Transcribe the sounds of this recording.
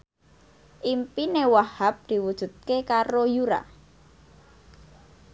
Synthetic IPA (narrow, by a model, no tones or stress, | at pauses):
ʔimpinewahap̚d̪̥i̤wud̥ʒ̥ṳt̪̚kekaɾojuɾa̰